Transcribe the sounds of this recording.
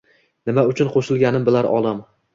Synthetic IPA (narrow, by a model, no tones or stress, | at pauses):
nɪmaʊt͡ʃʰʊnqʰoʃɪlˠɡʲanɪmbɪlaɾɒ̰lˠam